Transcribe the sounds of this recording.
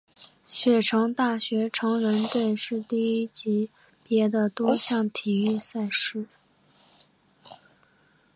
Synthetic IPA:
ɕɥɛ˨˩ʈ͡ʂʰɤ˧˥ŋt̪a˥˩ɕɥɛ˧˥ʈ͡ʂʰɤ˧˥ŋɻə˧˥nt̪we˥˧ɪʂɻ̩˥˧t̪i˥˩i˥t͡ɕi˧˥ | pjɛ˧˥d̪ə˧t̪wɔ˥ɕjɑ˥˩ŋt̪ʰi˨˩y˥˧sa˥˧ɪʂɻ̩˥˩

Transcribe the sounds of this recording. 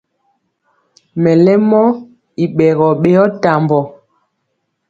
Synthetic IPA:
mɛ˨lɛ˦mɔ˦ | i˨ɓɛ˨ɣɔ˨ɓe˦ɔ˦ta˨mbɔ˨

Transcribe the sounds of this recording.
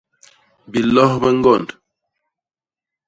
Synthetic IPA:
bi˨lɔ˦hbə˦ŋ̩˦ɡɔ˦˨nd

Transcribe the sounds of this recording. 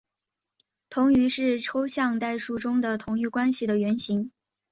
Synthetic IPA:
t̪ʰʊ˧˥ŋy˧˥ʂɻ̩˥˩ʈ͡ʂʰo˥ʊɕjɑ˥˧ŋt̪a˥˧ɪʂu˥˩ʈ͡ʂʊ˥ŋd̪ə˨t̪ʰʊ˧˥ŋy˥˩kwa˥nɕi˨˩d̪ə˩ɥɛ˧˥nɕi˧˥ŋ

